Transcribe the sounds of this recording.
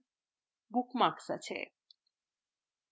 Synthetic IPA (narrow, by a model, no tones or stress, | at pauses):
bukmaɾksa̰t͡ɕʰḛ